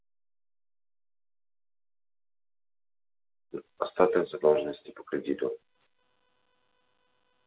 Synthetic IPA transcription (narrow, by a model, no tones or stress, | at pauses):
ost̪at̪əɡzɐd̪ɔʒnost̪ipo̥kɾɛd̪it̪o